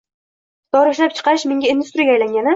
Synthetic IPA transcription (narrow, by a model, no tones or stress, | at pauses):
d̪̥ɒɾɪʃlap̚t͡ʃʰɨ̥qʰɑɪʃmɪŋɡʲaind̪ust̪ɾiɡʲaːjlaŋɡʲanɪ